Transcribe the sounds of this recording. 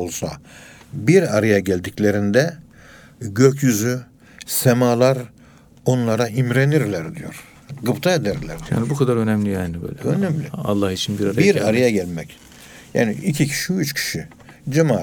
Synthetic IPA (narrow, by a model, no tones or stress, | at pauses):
olˠsa̰ | biɾaɾajaɟælʲd̪iclʲe̞ɾind̪ɛ | ɟøcʰjyzy | semaːlˠaɾ | o̞nlˠaɾaimɾeniɾlʲæɾd̪ijo̞̰ɾ̥ | ɡɯpt̪ʰaed̪æɾlʲæ̰ɾd̪ija̰ːnibukʰad̪aɾønæmlʲijaːnibø̰jlʲønæmlʲiɑ̰lˠːɑhit͡ʃʰinbiɾaɾajiɾaɾajaɟælʲmɛc | ja̰ːnḭicʰicʰi̥ʃiyt͡ʃcʰi̥ʃi | d͡ʒamaː